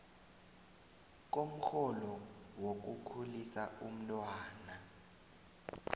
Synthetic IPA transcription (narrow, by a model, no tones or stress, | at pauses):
k̬ʼom̩xʰɔlɔwok̬ukʰulisaum̩tʼwaːna